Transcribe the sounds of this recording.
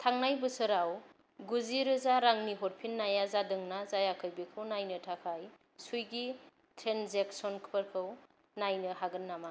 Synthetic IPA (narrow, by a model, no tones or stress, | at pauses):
tʰaŋnajbɯsɯɾaw | ɡuziɾɯzaɾaŋniɦoɾ̚pʰinːajazadɯŋnazajakʰɯjbikʰɯwnajnɯtʰakʰaj | sujɡi | tʰɾenzek̚sɔnkʰpəɾkʰɯw | najnɯɦaɡɯnːama